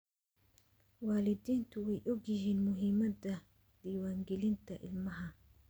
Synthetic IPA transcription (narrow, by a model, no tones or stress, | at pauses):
waːlɪd̪iːnt̪uwɛjʔɔɡɪhinmʊɦɪmɐd̪ɐ | d̪̥iːwaːŋɡɪlɪnt̪ɐʔɪ̰lmɐɦɐ